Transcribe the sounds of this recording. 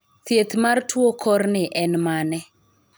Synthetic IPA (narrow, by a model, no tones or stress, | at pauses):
t̪jet̪martwokʰɔrnɪʔɛnmanɛ